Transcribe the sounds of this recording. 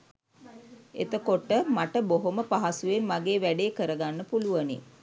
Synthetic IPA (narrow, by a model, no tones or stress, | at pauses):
ḛt̪əkoʈəmaʈəboɦoməpaɦasuʋenmaɡeːʋæɖeːkəɾəɡanːəpuluʋənḭ